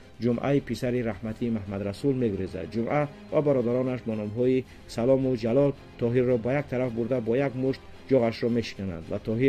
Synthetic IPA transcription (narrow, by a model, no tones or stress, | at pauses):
d͡ʒumʔa̰ipʰisaɾiɾahmat̪ʰimahmad̪ɾasulmeɡuɾeza̰d̪̚d͡ʒumʔa | vabaɾɔd̪aɾɔnaʃbɔnɔmɦɔi | salɔmud͡ʒalɔl | t̪ʰɔɦiɾːɔbajakt̪ʰaɾafbuɾd̪abɔjaɡmuʃt̪ | d͡ʒɔɣaʃɾɔme̞ʃi̥kana̰nd̪vat̪ʰɔɦi